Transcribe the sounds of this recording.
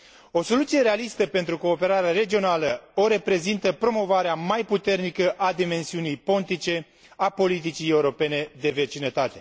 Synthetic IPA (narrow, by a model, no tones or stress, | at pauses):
o̞so̞lut̪sije̞ɾe̞alist̪əpe̞nt̪ɾuko̞ːpe̞ɾaɾeaɾe̞d͡ʒio̞naləo̞ɾe̞pɾe̞zint̪əpɾo̞mo̞vaɾeamajput̪e̞rnikəʔad̪ime̞nsiunijpo̞nt̪it͡ʃe̞ | apo̞lit̪̬it͡ʃije̞uɾo̞pe̞ne̞d̪e̞ve̞t͡ʃinət̪at̪e̞